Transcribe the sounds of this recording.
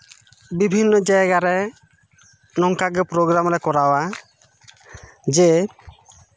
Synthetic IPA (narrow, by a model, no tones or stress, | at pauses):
bibʱinːɔd͡ʒajɡaɾɛ | nɔŋkaɡɛpɾɔɡɾamɾɛkɔɾawa | d͡ʒe